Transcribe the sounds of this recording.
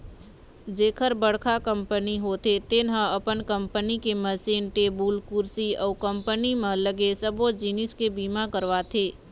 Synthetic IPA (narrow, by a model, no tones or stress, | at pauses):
d͡ʒeːkʰəɾbəɽkʰakə̃mpəniɦot̪ʰet̪enɦãɐpənkə̃mpənikeməsiːnʈeːbuːlkuɾsiɔːkə̃mpənimẽləɡesəbod͡ʒiːnɪskebiːmakəɾʋat̪ʰeː